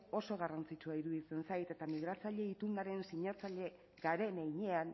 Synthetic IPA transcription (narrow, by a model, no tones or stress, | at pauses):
o̞so̞ɣ̞arant͡sit͡ʃuaiɾuðit͡se̞nsajt̪e̞t̪amiɣ̞ɾat͡saʎe̞it̪uŋɡaɾe̞nsiɲat͡saʎe̞ | ɡaɾe̞nejɲe̞an